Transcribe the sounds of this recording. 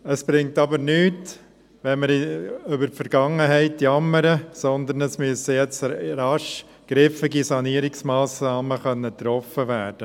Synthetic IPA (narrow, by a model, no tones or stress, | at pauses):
əsb̥ɾɪŋ̚tɑbəɾnyːt | ʋɛnməɾʏbəɾtfəɾɡ̥ɑŋːəɦɛɪtjɑmːəɾəsɔnd̪ənəsmyəsəjɛt͡sɾɑʃ | ɡ̥ɾɪfɪɡisɑniəɾɪksmɑːsnɑːməχœnːət̪ɾɔfəʋæːɾd̥ə